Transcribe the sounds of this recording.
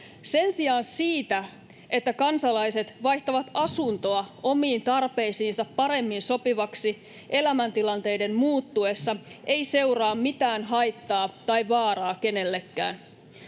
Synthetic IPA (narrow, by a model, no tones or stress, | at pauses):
se̞nsiɑːnsiːt̪æ | e̞t̪ːækɑnsɑlɑjse̞t̪ʋɑjht̪ɑʋɑt̪ɑsunt̪o̞ɑʔo̞miːnt̪ɑrpe̞isiːnsɑpːɑɾe̞mːinso̞piʋɑksi | ʔe̞læmænt̪ilɑnt̪e̞jde̞mmuːt̪ːue̞sːɑʔe̞jse̞urɑːmmit̪æːnɦɑjt̪ːɑːt̪ɑjʋɑːrɑːke̞ne̞lːekːæ̰ːn